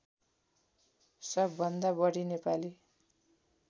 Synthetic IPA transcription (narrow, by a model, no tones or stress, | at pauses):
sʌbːʌnd̪abʌɽinepali